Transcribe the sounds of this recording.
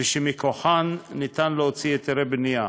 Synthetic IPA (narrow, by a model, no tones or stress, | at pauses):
ʃemikoħanːit̪anleɦot͡sijet̪eɾebnija